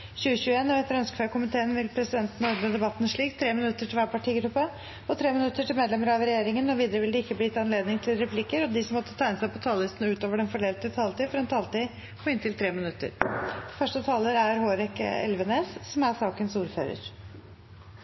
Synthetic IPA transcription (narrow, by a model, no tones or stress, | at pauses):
çʉːəɕʉːeːnɔʋɛt̪ːəɾœnskəfæːkʊmɪt̪ʰeːənʋɪlpʰɾɛsɪd̪ɛnt̪n̩ɔɾməd̪ɛbɑt̪ːnʂɭiːkt̪ʰɾeːmɪnʉt̪ːəʈʰɪlʋæːpɑʈʰiːɡɾʉpːə | ɔt̪ʰɾeːmɪnʉt̪ːəʈɪlmeːd̪lɛməɾɑʋɾɛjeːɾɪŋənɔʋiːd̪əɾəʋɪld̪ɪɪkːəbliːt̪ʰɑnleːd̪nɪŋt̪ʰɪlɾɛpʰlikəɾɔd̪ɪsɔmːɔt̪ːət̪ʰæɪnəsæɪpʰɔt̪ʰɑːlːɪst̪n̩ʉːt̪oːʋəɖɛnfɔɖeːlt̪ət̪ʰɑːlt̪iːfɔɾɑɛnt̪ʰɑːlt̪iː | ɔɪnt̪ɪlt̪ʰɾeːmɪnʉt̪ːə̰ɾfœʂʈət̪ʰɑːləɾæɾhoːɾɛkɛ̰lʋəneːsːɔmæsɑːkənsuːɾfø̰ːɾə̰ɾ